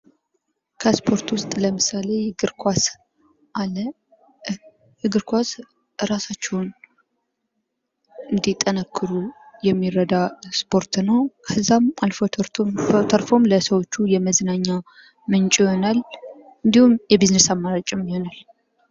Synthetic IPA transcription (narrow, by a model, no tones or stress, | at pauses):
kʰəspʰo̞ɾt̪wʊst̪ʼləmɨsale̞ɡɨɾkʰʷas | ʔalə | ɡɨɾkʷas | ɾasat͡ʃːɛwn | ɨnd̪it̪ʼːənəkʰːɨɾujɛmːiɾəd̪aspʰo̞ɾt̪nəwkʰəzamalfo | t̪ʰəɾfo̞mləsəwo̞t͡ʃːujɛməznaɲːa | mɨnt͡ʃʼiho̞nal | ɨnd̪ihumjɛbiznesamːaɾat͡ʃʼɪmjɪho̞nal